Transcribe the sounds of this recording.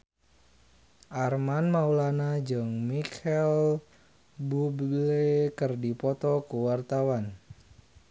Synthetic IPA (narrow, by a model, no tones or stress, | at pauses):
ʔarmanmaulanad͡ʒɨŋmikʰɛl | bublekərdipɔt̪ɔkuwart̪awan